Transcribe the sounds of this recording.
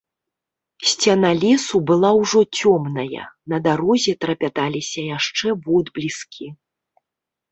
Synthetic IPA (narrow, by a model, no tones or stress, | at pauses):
sʲt͡sʲanalʲɛsubɨlˠawʐɔt͡sʲɔmnɐjɐ̰nɐd̪aɾɔzʲɛt̪ɾɐpʲat̪alʲisʲɐjaʂt͡ʂɛvɔd̪blʲiskʲʰi